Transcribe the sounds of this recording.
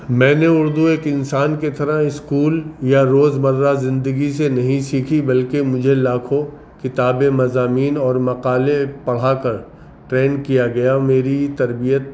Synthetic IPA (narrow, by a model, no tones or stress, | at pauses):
mɛ̃ːneʊɾd̪ueːkɪ̃nsaːnket̪ɐɾaɪskuːljaɾoːzbɐɾːazɪ̃nd̪əɡisenɐɦĩsiːkʰibɐlkemʊd͡ʒʱelaːkʰo | kɪt̪aːbemɐzaːmiːnɔːɾmɐqaːlepɐɽ̤akɐɾ | ʈɾeːnkijaɡɐjameːɾit̪ɐɾbijət̪̚